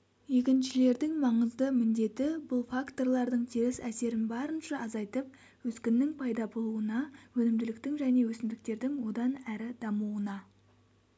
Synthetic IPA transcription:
je̞kʲɪnʃɪle̞ɾd̪ɪŋmɑɴəzd̪əmɪnd̪e̞t̪ɪbʊlˠfakt̪o̞rlˠɑɾd̪əɴt̪ʰiɾɪsæse̞ɾɪnbɑɾənʃɑɑzɑjt̪əp̚ | wɵskʲɪnːɪŋpʰɑjd̪ɑbo̞lˠuənɑwɵnɪmd̪ɪlɪkt̪ɪŋʒæne̞wɵsɪmd̪ɪk̚t̪e̞ɾd̪ɪŋwo̞d̪ɑnæɾɪd̪ɑmuwənɑ

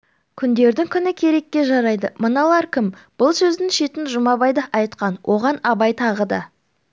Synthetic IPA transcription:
kʲʰʏnd̪e̞ɾd̪ɪŋkʲʰʏnɪkʲʰe̞ɾe̞kʲːe̞ʒɑɾɑjd̪əmənɑlˠɑɾkʲʰɪmb̥ʊlˠsɵzd̪ɪŋʃet̪ɪnʒʊmɑbɑjd̪ɑʔɑjt̪qɑnwʔo̞ʁɑnɑbɑjt̪ʰɑʁəd̪ɑ̰

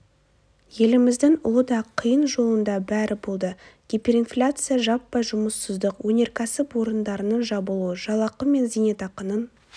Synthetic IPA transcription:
je̞lɪmɪzd̪ɪŋʊ̰lˠəd̪ɑqʰəjənʒo̞lˠənd̪ɑbæɾʔɪbo̞lˠd̪əɡ̥ʲepʲe̞ɾinflʲat̪sɨjaʒɑpːɑjʒʊməsːəzd̪əqwɵne̞ɾkʲʰæsɪpwo̞ɾənd̪ɑɾənənʒɑbəlˠuəʒɑlˠɑqəme̞nzine̞t̪ɑqənən

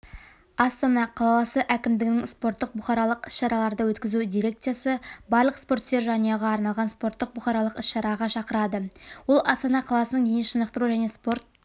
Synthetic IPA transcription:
ɑst̪ɑnɑqʰɑlˠɑɑsəʔækʲɪmd̪ɪɡʲɪnɪŋspo̞rt̪ːəq̚bʊχɑɾɑlˠəqɪsʃɑɾɑlˠɑɾd̪əwɵt̪kʲɪzud̪ijɾʲe̞k̚t̪sɨjasəbɑɾlˠəqspo̞ɾt̪st̪eɾʒɑnəjɑʁɑːɾnɑlˠʁɑnspo̞ɾt̪ːəq̚bʊχɑɾɑlˠəqɪsʃɑɾɑʁɑʃɑqəɾɑd̪əwʊlˠɑst̪ɑnɑqʰɑlˠɑsənəɴd̪eneʃənəq̚t̪əɾuʒæne̞spo̞ɾt̪̚

